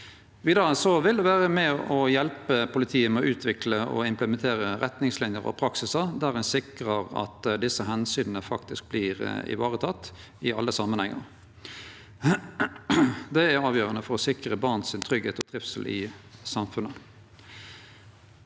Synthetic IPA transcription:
ʋiːd̪ɑʁəsɔʋɪld̪ɛʋæːʁəmɛɔjɛlpəpʰʊlɪt̪ʰiːəmɛɔʔʉːt̪ʰʋɪkləɔ̰ɪmpləmɛnt̪ʰeːɾəɾɛt̪nɪŋslɪnjəʁɔ̰pʰɾɑksɪsəd̪æːʁɛnsɪkʁəʁɑ̰t̪d̪ɪsːəɦɛnsyːnənəfɑkt̪ɪsk̚bliːʁ̰ɪ̰ʋɑːʁət̪ʰɑt̪ː | ɪɑlːəsɑmənhɛŋːə̰ʁ | d̪ɛæʁɑːʋjøːʁənəfɔʁɔsɪkʁəbɑʁnsɪnt̪ʰʁʏɡheːt̪ɔt̪ʰɾɪfsəlʔɪ̰sɑmfʉnə

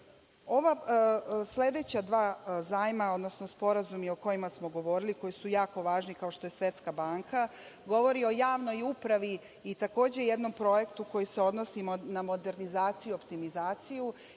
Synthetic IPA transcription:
o̞ʋa | sle̞d̪e̞t͡ɕad̪ʋaːzaːjmao̞d̪no̞snospo̞ɾazumio̞ko̞jimasmo̞ɡo̞ʋo̞ɾiliko̞jisujaːko̞ʋaːʒnikao̞ʃt̪o̞je̞sʋe̞t̪skabaːŋka | ɡo̞ʋo̞ɾio̞jaːʋnojupɾaʋiː | t̪ako̞ːd͡ʑe̞jed̪no̞mpɾo̞je̞kt̪uko̞jiseod̪no̞simonamod̪e̞ɾnizaːt̪sijuopt̪imizaːt̪siju

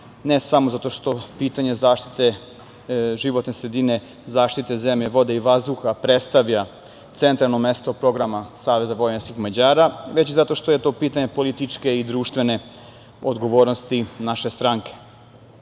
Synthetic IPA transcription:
nesamo̞zat̪o̞ʃt̪o̞piːt̪aɲe̞zaːʃt̪i̥t̪e̞ | ʒiʋo̞t̪nesɾed̪ine̞ | zaːʃt̪it̪eze̞mʎeʋo̞d̪eiʋazd̪uxapɾet̪st̪aʋʎa | t̪se̞nt̪ɾalˠnomest̪opɾo̞ɡɾamasaːʋe̞zaʋo̞jnenskixmad͡ʑaːɾaʋe̞t͡ɕizat̪o̞ʃt̪ojet̪o̞ːpiːt̪aɲe̞po̞lit̪it͡ʃke̞id̪ɾuːʃt̪ʋe̞ne̞ | od̪ɡo̞ʋo̞ːɾnost̪inaʃest̪ɾaŋke̞̥

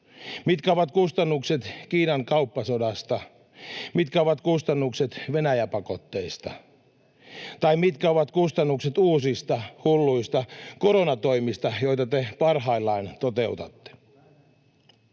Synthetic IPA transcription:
mit̪kæoʋɑt̪kust̪ɑnːukset̪k̟iːnɑŋkɑupːɑsodɑst̪ɑ | mit̪kæoʋɑt̪kust̪ɑnːukset̪ʋenæjæpɑko̞t̪ːe̞ist̪ɑ̰ | t̪ɑimit̪kæoʋɑt̪kust̪ɑnːukset̪uːsist̪ɑhulːuist̪ɑkoɾonɑt̪o̞imist̪ɑjo̞it̪ɑt̪epɑrɦɑilːɑint̪ot̪eut̪ɑt̪ːe̥

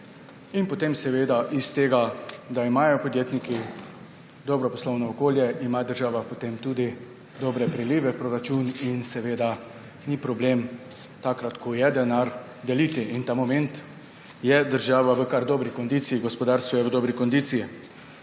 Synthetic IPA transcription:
inpɔt̪emsɛʋeːd̪aʔist̪eːɡad̪aimajɔpɔd̪jeːt̪niki | d̪ɔbɾɔpɔslɔwnɔːkoːljɛʔimad̪əɾʒaːʋapɔt̪emt̪ud̪i | d̪ɔbɾɛpɾɛliʋɛpɾɔɾat͡ʃuninsɛʋeːd̪a | nipɾɔblem | t̪aːkɾat̪kʰɔjɛd̪ɛnaɾ | d̪ɛlit̪iʔint̪aːmɔmɛnt̪ | jɛd̪əɾʒaːʋaʋəkaɾd̪ɔːbɾikɔnd̪iːt̪sijiɡɔspɔd̪aːɾst̪ʋɔjɛʋəd̪ɔːbɾikɔnd̪iːt̪siji

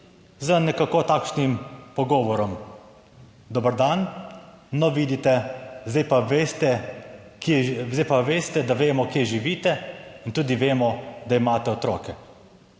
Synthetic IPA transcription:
zənɛkakot̪aːkʃnimpɔɡɔːʋɔɾɔm | d̪ɔbəɾd̪anː | ɔʋiːd̪it̪ɛzɛjpaʋest̪ɛ | kezɛjpaʋeːst̪ɛd̪aʋeːmɔkjeʒiʋiːt̪ɛint̪uːd̪iʋeːmɔd̪aimaːt̪ɛɔt̪ɾɔːkɛ

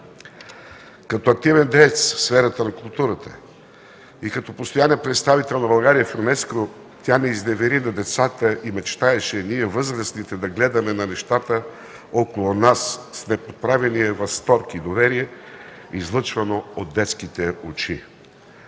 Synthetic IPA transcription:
kɐt̪ɔɐk̚t̪ivɛnd̪ɛt̪sfsfɛɾət̪ənɐkʊlˠt̪uɾət̪ə̥̰ | ikɐt̪ɔpost̪ojaniɛpɾɛt̪st̪avit̪ɛlˠnɐbɐlˠɡaɾijəfoɾnɛsko | t̪ʲjanɛiznɛvɛɾinɐd̪ɛt̪sat̪əʔimɛt͡ʃt̪aɛʃɛniɛvɤzɾəsnit̪ɛd̪ɐɡlɛd̪ɐmɛnɐnɛʃt̪at̪ə | okolˠʊnassnɛpot̪̚pɾavɛniɛvɐfst̪ɔɾkid̪ovɛɾiɛ | izlˠɤt͡ʃvɐnood̪̚d̪ɛt̪skit̪ɛot͡ʃi

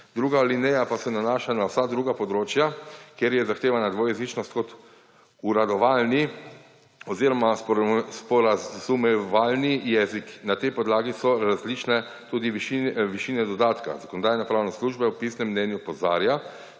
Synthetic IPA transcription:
d̪ɾuːɡalinɛjapasɛnanaːʃanawsad̪ɾuːɡapɔd̪ɾoːt͡ʃjakjeɾjɛzaxt̪eːʋanad̪ʋojɛzit͡ʃnɔst̪̚kɔt̪ | uɾad̪ɔʋaːlni | ɔziɾɔmaspɔɾazumɛʋaːlnijɛziknat̪ɛjpɔd̪laːɡisɔɾazlit͡ʃnɛ | t̪uːd̪iʋiʃiʋiʃinɛd̪ɔd̪aːt̪ka̰zakoɔnɔd̪aːjnɛpɾaːwnɛsluʒbɛwpisnɛmːnɛnjupɔza̰ːɾja

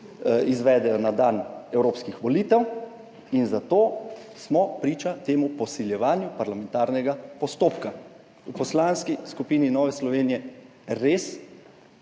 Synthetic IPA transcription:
izʋɛːd̪ɛjɔnad̪aːnɛwɾoːpskixʋɔliːt̪ɛw | inzat̪oːsmɔpɾiːt͡ʃat̪eːmupɔsiljɛʋaːnjupaɾlamɛ̃nt̪aːɾnɛɡapɔst̪oːpka | upɔslaːnskiskupiːninɔːʋɛslɔʋeːnijɛ | ɾeːs

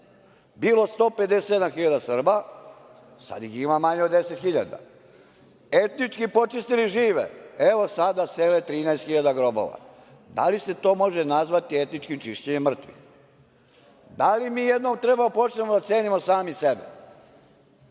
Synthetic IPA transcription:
biːlo̞st̪o̞ːpe̞d̪esesed̪amxiʎad̪asr̩ba | sa̰d̪jiximamaɲeod̪ːeset̪xiʎa̰d̪a̰ | et̪nit͡ʃkipo̞t͡ʃist̪iliʒiːʋḛe̞ʋo̞sad̪aseːlet̪ɾiːnaest̪xiʎad̪aɡɾo̞bo̰ʋa̰ | d̪a̰lise̞t̪o̞ːmo̞ʒenazʋat̪ie̞t̪nit͡ʃkimt͡ʃiʃt͡ɕeɲemːr̩t̪ʋḭx | d̪alimiːjed̪nomt̪ɾebaopo̞t͡ʃnemod̪at̪se̞ːnimo̞saːmisebḛ

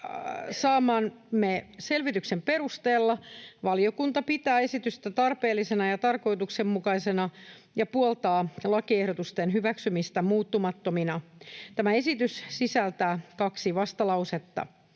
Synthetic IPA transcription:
sɑːmɑːn | meselʋit̪yksemperust̪eːlːɑʋɑljokunt̪ɑpit̪æːe̞sit̪yst̪æt̪ɑrpeːlːisenɑjɑt̪ɑrko̞jt̪uksemmukɑisenɑ | jɑpuolt̪ɑːlɑkiehɾot̪ust̪enɦyʋæksymist̪æmuːt̪ːumɑt̪ːominɑt̪æmæe̞sit̪yssisælt̪æːkɑksiʋɑst̪ɑlɑuset̪ːɑ̰

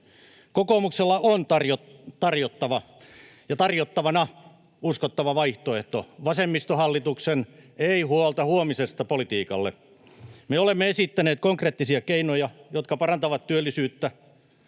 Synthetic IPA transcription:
kokoːmukselːɑont̪ɑrjot̪ɑrjot̪ːɑʋɑ | jɑt̪ɑrjot̪ːɑʋɑnɑ | uskot̪ːɑʋɑʋɑiht̪oeht̪o̰ʋɑsemːist̪ohɑlːit̪ukseneihuolt̪ɑhuomisest̪ɑpolit̪iːkɑ̰lːḛ | meolemːeesit̪ːæneːt̪̚koŋkreːt̪ːisiɑkeinojɑjot̪kɑpɑrɑnt̪ɑʋɑt̪t̪yølːisyːt̪ːæ

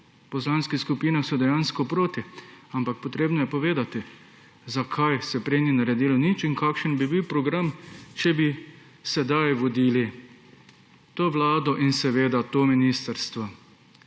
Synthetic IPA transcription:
pɔslanskiskupiːnaxsɔd̪ɛjaːnskɔpɾoːt̪iampakpɔt̪ɾeːbnɔjɛpɔʋeːd̪at̪i | zakʰajsɛpɾeninaɾɛd̪iːlɔnit͡ʃiŋkaːkʃənbibiwpɾɔɡɾamt͡ʃɛbi | sɛd̪ajʋɔd̪iːli | t̪oːʋlaːd̪ɔʔinsɛʋeːd̪at̪oːminist̪əɾst̪ʋɔ

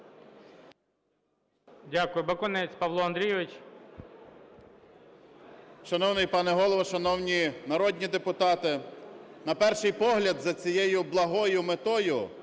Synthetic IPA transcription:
dʲakʊjʊbɐkɔnɛt͡sʲpɐʋlˠɔɐnd̪ɾʲijɛʋɪt͡ʃ | ʃɐnɔwnɪjpɑnɛɦɔlˠɔʋɐʃɐnɔwnʲinɐɾɔd̪ʲnʲid̪epʊt̪ɑt̪ɪnɐpɛrʃɪjpɔɦlʲɐd̪zɐt͡sʲijɛjʊblˠɐɦɔjʊmet̪ɔjʊ

